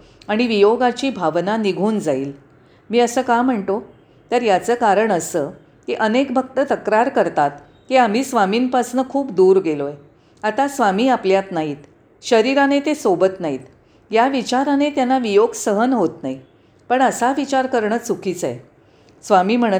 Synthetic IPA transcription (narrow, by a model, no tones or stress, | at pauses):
aɽ̃iʋijoɡat͡ɕiːbʱaʋnaniɡʱuːnd͡zaiːl | miːəsəːkam̤əɳt̪o | t̪əɾjat͡səːkaɾəɳəsə | kiʔənekbʱək̚t̪ət̪əkɾaɾkəɾt̪at̪ | kiam̤iːsʋamiːnpasnəkʰuːpd̪uːɾɡeloe | at̪asʋamiːapljat̪naɦiːt̪ | ɕəɾiɾanet̪esobət̪naɦiːt̪ | jaʋit͡ɕaɾanet̪janːaʋijoɡsəɦənɦot̪naɦi | pəɳəsaʋit͡ɕaɾkəɾɳəsukʰit͡sḛ | sʋamiːm̤əɽ̃ə